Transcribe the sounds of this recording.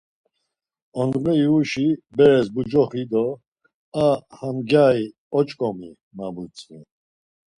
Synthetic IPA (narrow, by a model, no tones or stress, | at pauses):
ɔnʁɛiuʃibɛɾɛsbud͡ʒɔχid̪ɔ | ahamɡjai | ɔt͡ʃʼkʼɔmi | mabut͡sʼi